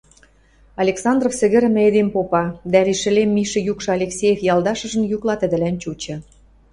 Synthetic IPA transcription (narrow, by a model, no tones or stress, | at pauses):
ɑlʲeksɑnd̪rofsə̆ɣɘ̆ɾ̆mɘ̆ed̪empopɑd̪æliʃɘ̆lemːiʃə̆jukʃɤ̆ɑlʲeksʲejefjɑlˠd̪ɑʃɤ̆ʒə̆njuklɑt̪ə̆d̪ɘ̆lænt͡ɕut͡ɕɤ̆